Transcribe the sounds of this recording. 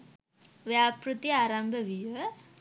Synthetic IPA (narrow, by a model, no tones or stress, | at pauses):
ʋjaːpɾut̪iaːɾambʱɐʋiʋɐ